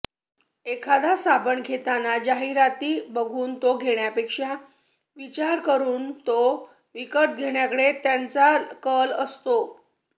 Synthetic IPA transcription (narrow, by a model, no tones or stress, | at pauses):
ekʰad̪ʱasabəɳɡʱet̪anad͡ʑaɦiɾat̪iːbəɡʱuːnt̪oɡʱeɳjapekʂa | ʋit͡ɕaɾkəɾuːnt̪o | ʋikəʈ̪̚ɡʱeɽjakəɽet̪jant͡sakələst̪o